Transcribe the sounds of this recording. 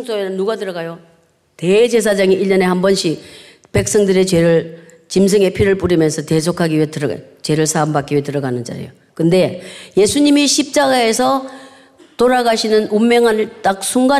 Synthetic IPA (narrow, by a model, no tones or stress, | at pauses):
ŋs͈oeɯnːuɡatɯɾʌɡajo | te̞d͡ʑe̞s̬ʰad͡ʑaŋiʔiʎːʌnehambʌnɕʰi | pe̞k̚s͈ʌŋdɯɾet͡ɕwe̞ɾɯɭ | t͡ɕims̬ʰɯŋe̞pʰiɾɯɭp͈uɾimjʌnsʰʌte̞s̬ʰokʰaɡiwetɯɾʌa̰t͡ɕe̞ɾɯɭsʰambak͈iɥetɯɾʌɡanɯnd͡ʑa̰ɾḭjo | kɯnde̞je̞sʰuɲimiɕʰip̚t͡ɕ͈aɡae̞sʰʌ | toɾaɡaɕʰinɯnumːeŋɦant͈ak̚sʰuŋɡa